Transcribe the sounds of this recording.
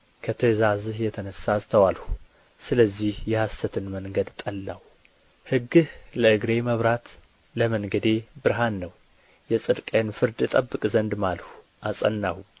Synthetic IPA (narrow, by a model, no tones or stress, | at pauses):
kʰət̪ʰəzazɨhjɛt̪ʰənəsast̪ʰəwalhu | sɨləzːihjɛhasːət̪ʰɨnməŋɡəd̪t̪ʼəlːaw | hɨɡːɨhləɨɡɾe̞məβɾat̪ | ləməŋɡəd̪e̞bɨɾɦanːəw | jɛsʼɨd̪kʼejnfɨɾd̪jɛt̪ʼəbːɨkʼzənd̪malhu | ʔasʼənːahu